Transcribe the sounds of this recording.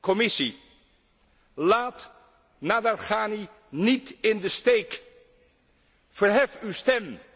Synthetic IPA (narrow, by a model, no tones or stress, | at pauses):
kɔmɪsi | laːt | nadalχaːni | nitɪndəstejk | fəɹɦɛfywstɛm